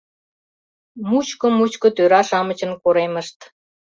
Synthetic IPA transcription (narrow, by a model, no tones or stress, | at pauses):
mut͡ɕkŏmut͡ɕkŏt̪øɾɑʃɑmət͡ɕə̆nkoɾeməʃt̪